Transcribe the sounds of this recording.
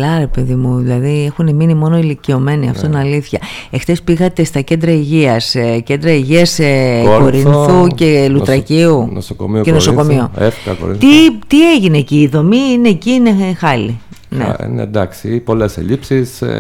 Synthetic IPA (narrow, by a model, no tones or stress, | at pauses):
lɐɾe̞pe̞ðimuðilɐðie̞xune̞minimo̞no̞ilicio̞me̞niɐ̰ft̪ot̪inɐliθçɐe̞xt̪espiɣɐt̪e̞st̪ɐce̞nd̪ɾɐiʝiɐsce̞nd̪ɾɐiʝiɐseko̞ɾinθuce̞lut̪ɾɐciuno̰soko̰mioenoso̞ko̞mioefkɐko̰ɾt̪it̪ieʝineciːðo̞miinecinexɐlinḛnḛd̪ɐksipo̞lesḛʎipsis